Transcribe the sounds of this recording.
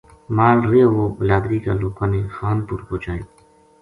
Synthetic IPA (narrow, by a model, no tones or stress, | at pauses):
maːlɾeʋoːbɪlaːd̪ɾiːka̰loːpaneːxaːnpuɾkoːt͡ʃaːeː